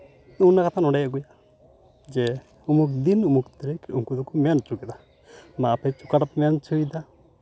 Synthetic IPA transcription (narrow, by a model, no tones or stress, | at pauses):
unakat̪ʰanɔɽajaɡuja | d͡ʒɛ | umuk̚d̪inumukt̪ɛɾɛkuŋkud̪ukumant͡ʃukɛd̪a | mapʰajt͡ʃukaʈapmant͡ʃuid̪a